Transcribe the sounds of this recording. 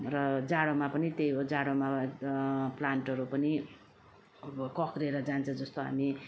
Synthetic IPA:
rʌd͡zaɽomapʌnit̪ejod͡zaɽoma | plaɳʈʌɾupʌni | kʌkɾeɾʌd͡zant͡sʰʌ̃d͡zʌst̪oɦa̰mi

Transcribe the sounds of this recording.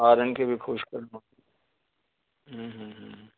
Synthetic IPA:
aːɾənkebʱixʰʊʃkɐɾna | ɦːɦ̩ɦ

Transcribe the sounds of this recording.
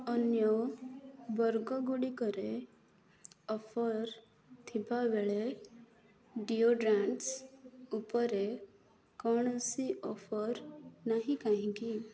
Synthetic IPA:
ɔnjɔ | bɔɾɡɔɡuɽikɔɾe | ɔfʰɔɾ | t̪ʰibaʋeɭe | ɖioɖɾaɳʈsupɔɾe | kɔɳ̃əsiʔɔfʰɔɾnaɦĩkaɦĩki

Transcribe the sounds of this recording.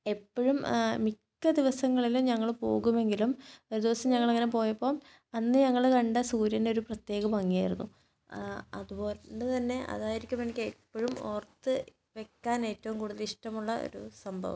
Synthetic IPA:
e̞pːoɻummikːɐd̪iʋɐsɐŋːɐɭilumɲɐŋːɐɭpo̞̰ːɣume̞ŋɡilumo̞ɾud̪iʋɐsɐmɲɐŋːɐɭɐŋːɐnepo̞ːjɐpːo̞ːm | ɐnːɨɲɐŋːɐɭkɐɳɖɨsuːɾjɐndeo̞ɾuprɐt̪je̞ːɣɐbɐŋːijaːjiɾunːu | ɐ̰ðuboːlnːɨt̪ɐnːe̞ʔɐ̰ðaːjiɾikʲːumenikʲːepːoɻumo̰ːrt̪ːɨ | ʋe̞kːaːne̞ːtːɐʋumkuːɽuðɐliʂʈɐmuɭːɐo̞̰ɾusɐmbʱɐ̰ʋɐ̰m

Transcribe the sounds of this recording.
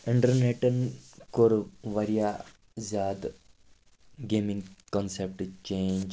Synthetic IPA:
iɳʈɐɾneʈːɐnkoːɾʋɐɾijaː | zaːd̪ | ɡeːmiŋɡkonsep̚ʈt͡ʃeːɲd͡ʒ

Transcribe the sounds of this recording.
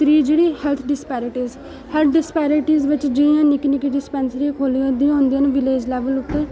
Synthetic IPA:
t̪ɾiːd͡ʒeːɽiːhɛlt̪ʰɖɪspɛːɾɪʈiːz | hɛl̚ʰɖɪspɛːɾɪʈiːzʋɪt͡ʃd͡ʒɪniãːnɪkinɪkiɖɪspɛːnsəɾĩkʰoːliõd̪ĩõːnd̪ijãːnːʋɪleːd͡ʒlɛːʋəlʊt̪ːeː

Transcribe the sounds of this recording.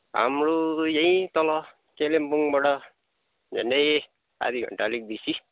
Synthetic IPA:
ɦa̰mɾojʌĩt̪ʌlʌ | kelempuŋbʌɽʌ | d͡ʒʱḛnʌj | a̰d̪iɡʱʌ̰ɳʈalik̚b̪isi

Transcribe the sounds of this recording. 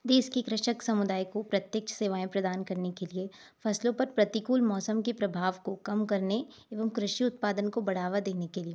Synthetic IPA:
d̪eːʃkekɾɪʃəksɐmʊd̪aːikopɾɐt̪jək̚t͡ʃʰseːʋaːẽpɾɐd̪aːnkɐɾnekelie | fɐslõpɐɾpɾɐt̪ikuːlmɔːsəmkepɾɐbʱaːʋkokɐmkɐɾne | eːʋəmkɾɪʃiʊt̪̚paːd̪ənkobɐɽ̤aːʋad̪eːnekelie

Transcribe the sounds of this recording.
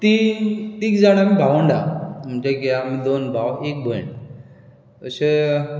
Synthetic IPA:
t̪it̪ikd͡zaɽ̃amibʱaʋəɳɖa̰m̤uɳd͡ʑekeaamid̪onbʱawek̚bʱəɳ | əse

